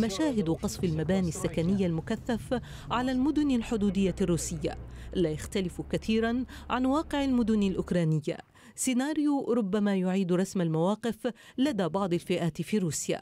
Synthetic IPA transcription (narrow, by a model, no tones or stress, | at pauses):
maʃaːɦɪd̪qɑsˤfalmabaːniːasːakanɪjːalmʊkaθːaf | ʕalaːlmʊd̪ʊnalħʊd̪uːd̪ɪjːarˤːuːsɪjːa̰laːjaxt̪alɪfkaθiːɾˤanʕanwɑːqɪʕalmʊd̪ʊnalʔʊkɾˤɑːnɪjːa̰ | sɪnaːɾɪjuɾˤʊbːamaːjʊʕiːd̪ɾˤɑsmalmawɑːqɪflad̪aːbɑʕd̪ˤalfɪʔaːt̪fiːɾuːsja̰ː